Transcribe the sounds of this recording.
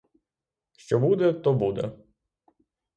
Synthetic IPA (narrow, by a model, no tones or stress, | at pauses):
ʃt͡ʃɔbud̪ɛt̪ɔbud̪ɛ̰